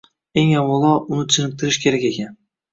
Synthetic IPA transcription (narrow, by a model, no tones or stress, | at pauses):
e̞ŋawːɑlˠɒʊnɪt̪ʰɪnɪk̚t̪ʰɪɾɪʃkʲʰe̞ɾakʲe̞kʲan